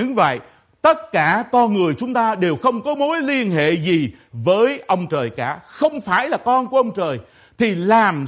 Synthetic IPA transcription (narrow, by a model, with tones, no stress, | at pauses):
ɨ˨˧ŋvə̰˧˨j | t̪ə˦˥t̚kaː˧˩kɔ˧nŋɨ˨˩əjt͡ɕʊ˨˦ŋ͡mt̪aː˧ɗe˨˩wxə˧wŋ͡mkɔ˨˦mo˨˦jli˧ənɦḛ˧˨zi˨˩ | vəː˨˦jʔə˧wŋ͡mt͡ɕəː˨˩jkaː˧˥˩xə˧wŋ͡mfaː˧˩jlaː˨˩kɔ˧nku˧˩əʔə˧wŋ͡mt͡ɕəː˨˩j | t̪ʰi˨˩laː˨˩m